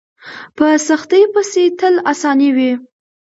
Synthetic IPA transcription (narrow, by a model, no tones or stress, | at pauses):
pəsaxt̪əjpəset̪əlasɑniwi